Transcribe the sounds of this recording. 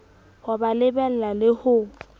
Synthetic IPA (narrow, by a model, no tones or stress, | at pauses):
habalɪbɛl̩lalɪhʊ